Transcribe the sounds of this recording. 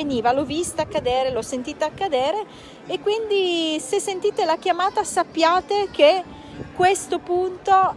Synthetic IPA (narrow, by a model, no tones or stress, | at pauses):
eniːvalɔvist̪aakːad̪ɛːɾelɔsːent̪iːt̪aakːad̪ɛːɾeː | kːwind̪isesːent̪iːt̪elakjamaːt̪asapːjaːt̪eke | kːwest̪opunt̪o